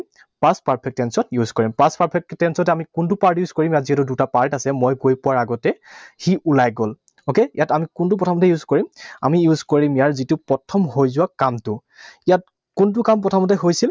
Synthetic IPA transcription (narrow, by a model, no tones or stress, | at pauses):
paspaɹpʰɛk̚tɛnsɔtjuzkɔɹimpaspaɹpʰɛk̚tɛnsɔtɛamikunt̬ʊpaɹtjuzkoɹimjatziɦɛtʊdutapaɹtasɛmojɡojpʊwaɹaɡɔtɛxiʔulajɡol | okeijatamikʊntʊp̬ɔtʰamɔtɛjuzkoɹima̰mijuzkoɹimjaɹzitʊpɹɔtʰɔmhojzʊwakamtʊ | ijat̚ | kunt̬ʊkamp̬ɔtʰamɔt̬ɛɦojsil